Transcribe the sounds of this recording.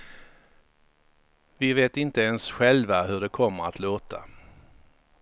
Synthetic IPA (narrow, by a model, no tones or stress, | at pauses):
vɪveːt̪ɪnt̪əɛnsɧɛlvaɦɵɖɛkʰɔmːəɾat̪ʰloːt̪ʰa̰